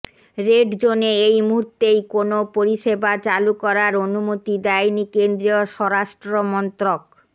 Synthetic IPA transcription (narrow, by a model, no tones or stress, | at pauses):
ɾeɖd͡ʑoneejmuɦuɾt̪ejkonopoɾiʃebat͡ɕalukɔɾaɾonumot̪id̪ɛjnikend̪ɾioʃɔɾaʃʈɾomɔnt̪ɾok